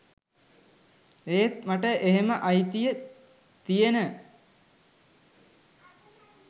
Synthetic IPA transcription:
eːt̪maʈəʔeɦeməʔajt̪ijə | t̪ijenə

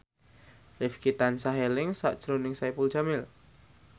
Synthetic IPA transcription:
rifkit̪ansaɦelɪŋsa̰ʔd̥ʒ̥ɾonɪŋsajpuld͡ʒamɪl

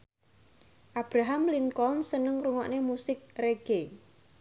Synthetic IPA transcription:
ʔab̥ɾaɦamlinkɔnsənəŋruŋɔ̰ʔnemusɪk̚reɡ̥e

